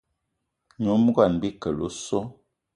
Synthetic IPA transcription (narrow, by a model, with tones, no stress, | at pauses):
ɲu˨˦m˦ɡa˦˨nbi˦kə˨lo̰˦so˦